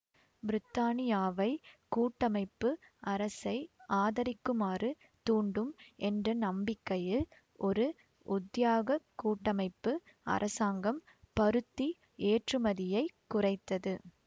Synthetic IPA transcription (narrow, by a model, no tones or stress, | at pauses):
bɪɾɪt̪ːaːnɪjaːʋɐɪkuːʈːɐmɐɪpːɯɐɾɐsɐɪʔaːðɐɾɪkːɯmaːrɯ | t̪uːɳɖɯmɛndrɐnɐmbɪkːɐjɯ | ʔɔɾɯ | ʔʊd̪jaːɣɐkuːʈːɐmɐɪpːɯ | ʔɐ̰ɾʔɐsaːŋɡɐm | pɐɾɯt̪ːi | eːʈrɯmɐðɪjɐɪkʊrɐɪt̪ːɐðɯ